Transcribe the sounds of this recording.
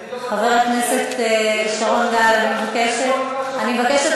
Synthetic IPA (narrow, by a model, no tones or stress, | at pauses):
χaveʁakneset̪ʃaʁonɡalanimevakeʃetanimevakeʃet